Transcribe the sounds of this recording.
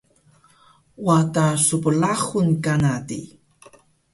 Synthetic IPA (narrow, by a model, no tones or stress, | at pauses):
watasupəlaχunkanatḭ